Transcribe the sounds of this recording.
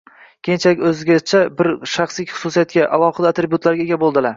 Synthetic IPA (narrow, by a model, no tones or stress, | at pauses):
kʲʰejnt͡ʃʰalɪkʲɵzɪɡʲat͡ʃʰabɪɾʃaχsɪkʲχʊ̥susijat̪̚kʲaʔalˠɒqɨd̪at̪ɾebʲjuʊt̪ʰlaɾɡʲaeɡʲabolˠd̪ɪlaɾ